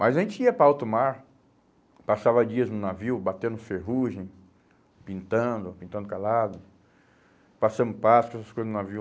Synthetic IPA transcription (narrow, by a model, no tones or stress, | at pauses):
majzaʒẽnt͡ʃɪiɐpɾɐaawt̪ʊmaɾ | pasavɐd͡ʒiɐznʊnaviwbat̪ẽnʊfeɦuʒẽj̃ | pĩnt̪ɐ̃nd̪ʊpĩnt̪ɐ̃nd̪ʊkalad̪ʊ | pasɐ̃nd̪ʊpasʊ̥kɛsɐskojzɐznʊnaviw